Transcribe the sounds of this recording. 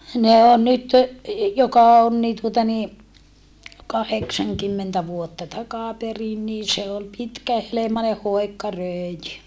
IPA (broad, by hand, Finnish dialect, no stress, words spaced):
ne on nyt jokɑ on niː tuotɑ niː kɑheksɑŋkymːentæ ʋuotːɑ tɑkɑˑperin niː se ol pitkæhelemɑne hoˑi̯kːɑ røˑi̯jy